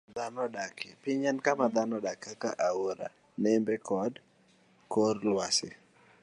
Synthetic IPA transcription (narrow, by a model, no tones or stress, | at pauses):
d̪anɔdakepɪɲɛnkamad̪anɔdakːakaʔaoɾa̰ | nɛmbɛkɔd | korlwasɪ̰